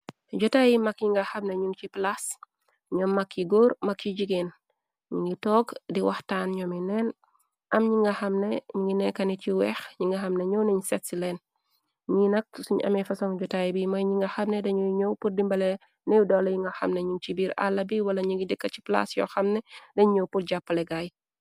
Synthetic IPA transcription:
ɟɔtajimɐkɲiŋɡɐxɐmneɲuŋt͡ʃiplas | ɲɔmːɐkːjiɡoːɾmɐkːiɟiɡen | ɲiŋɡitɔːɡdiwɐxtaːnɲɔminɛn | ʔɐmɲiŋɡɐxɐmneɲiŋɡinɛkɐniciwɛxɲiŋɡɐxɐmneɲowniɲsɛtsilɛːn | ɲinɐk̚suɲɐ̰mefɐsoŋɟutajbimɐjɲiŋɡɐxɐmnedɐɲuɲowput̚dimbɐle | nejudolɐjiŋɡɐxɐ̰mneɲunt͡ʃibiːɾa̰lːɐbiwɐlɐɲiŋɡidikːɐci̥pla̰sjɔ̰xɐmnedɐɲuɲowput̚ɟapːɐleɡaj

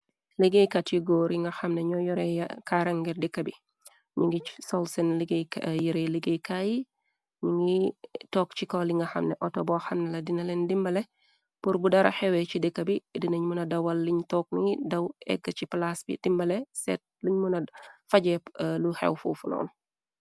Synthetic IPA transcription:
liɡejkatiɡɔɾiŋɡɐxɐmnɛɲɔjɔɾɛkaɾɐŋɡɛrdikːɐbi | ɲuŋɡisɔlsɛnliɡejkjiɾɛliɡejkaji | ɲuŋɡitɔːkt͡ʃikɔliŋɡɐxɐ̰mnɛʔɔtɔbɔːxɐnnːɐlɐdinɐlɛndimbɐlɛ | puɾbudɐɾɐ̰xɛwɛcidikːɐbidinɐɲmunɐdɐwɐlːiɲtɔk̚niŋidɐwɛ̰ɡːɐt͡ʃiplasbḭd̥imbɐlɛsɛ̰t̚liɲmunɐfɐɟɛluhɛ̰wfṵfunɔ̰ːn

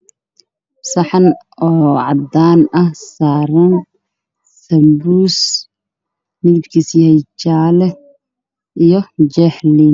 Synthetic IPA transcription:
sɐħɑn | ɔːʕɑd̪aːnɐhsaːɾɐn | sɐmbuːs | mɪðɪbkʰisjhɛjt͡ʃaːlɛ | ijɔt͡ʃɛħliːn

